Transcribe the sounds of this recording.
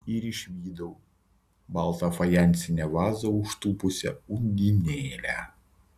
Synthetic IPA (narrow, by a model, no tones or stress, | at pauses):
ɪɾɪʃʲʋʲiːd̪ɔʊ | bɐˑlˠt̪ɐfɐjɛˑnʲt̪sʲɪnʲɛʋɑːzɐʊʃt̪uːpʊsʲɛ̰ʊŋʲɡ̪ʲinʲeːlʲæ